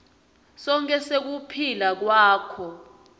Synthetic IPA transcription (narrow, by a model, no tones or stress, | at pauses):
sɔŋkʼɛsek̬upʰilak̬waːkʰɔ